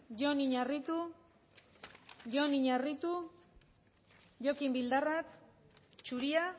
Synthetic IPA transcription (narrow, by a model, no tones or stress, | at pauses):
ʝo̞niɲarit̪u | ʝo̞niɲarit̪u | ʝo̞kimbild̪arat̪ | t͡ʃuɾia